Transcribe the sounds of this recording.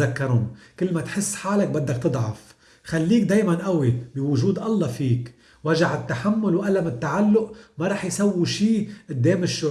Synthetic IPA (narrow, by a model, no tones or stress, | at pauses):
akːɑɾʊmkɪlːmat̪ħɪsːħaːlak̚bad̪ːakt̪ɨd̪ˤʕɑf | xalːiːk̚d̪eːjmanʔawibɪwʊʒuːd̪ʔɑlˤːɑfiːk | waʒaʕɪt̪ːaħamːʊlwʔalamɪt̪ːaʕalːʊʔmaɾˤɑːħjsawːiʃiːʔɪd̪ːeːmɪʃːʊ